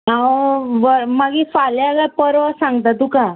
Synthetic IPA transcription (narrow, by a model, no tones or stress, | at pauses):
ɦãwʋəɾmaɡifaljaɡapəɾəsãŋɡt̪̬at̪uka